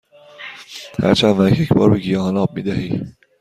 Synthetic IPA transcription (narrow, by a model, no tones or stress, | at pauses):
hæ̰ɾt͡ʃʰænvæcʰjecʰbɒ̰ːɾbeɡijɒɦɒnɒːb̚mḭːd̪æhiː